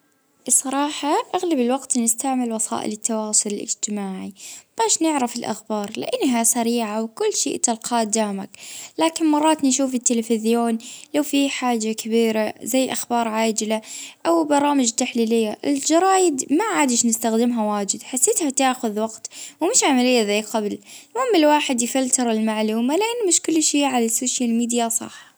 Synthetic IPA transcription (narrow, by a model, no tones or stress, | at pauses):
sˤːɑɾˤɑːħɑʔaɣlabɪlwaɡt̪nɪst̪aʕmɪlwɑsˤɑ̰ːʔɪ̰lɪt̪ːawɑːsˤʊlɪlɪ̰d͡ʒt̪ɪmaːʕib̥aːʃnɪʕɾɪfɪlʔa̰xbɑːɾˤlɪ̰ʔanːɦasaɾiːʕawkʊlːʃḭːʔt̪alqʰɑːd̪aːmaklaːkɪnmɑrˤːɑːt̪nʃuːfɪt̪ːɪlafɪzjoːnlawfiħaːd͡ʒakabiːɾazajːʔaxbɑːɾˤʕaːd͡ʒɪlaʔawbɑɾˤɑːmɪd͡ʒt̪ːaħliːlɪjːaʔɪld͡ʒɑɾˤɑːjɪd̪maʕaːd̪ɪʃnɪst̪axd̪ɪmɦawaːd͡ʒɪd̪ħasːeːt̪hat̪aːʔxʊðwɑɡt̪wmɪʃʕamalɪjːazajːqablmʊhɪmːɪlwaːħɪd̪jfalt̪ɑɾˤɪlmaʕluːmalɪʔanːmɪʃkʊlːʃiːʕalasoːʃjalmiːd̪jasˤɑ̰ħ